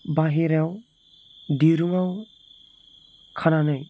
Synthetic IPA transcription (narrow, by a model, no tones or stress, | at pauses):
baɦiɾaw | diɾuŋaw | kʰananɯj